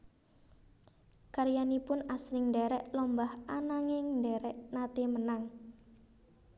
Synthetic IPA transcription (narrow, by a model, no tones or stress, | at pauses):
kaɾjanipʊnasɾɪŋɳdɛɾɛʔlɔmbahanaŋɪŋdɛɾɛʔnat̪emənaŋ